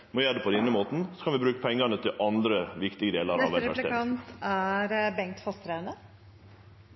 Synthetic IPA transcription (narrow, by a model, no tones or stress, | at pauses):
mɔjæːɖ̪ɛːpʰɔd̪ɛɪnɾəmoːt̪n̩sɔ̥kʰɑnʋɪbɾʉːkəpʰɛŋːɑnət̪ʰɪlʔɑnd̪ɾəʋɪkt̪ɪɡəd̪eːləɾɑ̰ʋææ̰ḛkɑnt̪æɾbɛŋkt̪fɔst̪ɾənə